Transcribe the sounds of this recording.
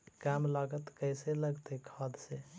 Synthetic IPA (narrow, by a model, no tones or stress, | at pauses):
kamlaɡət̪kəjseləɡt̪ekʰəd̪se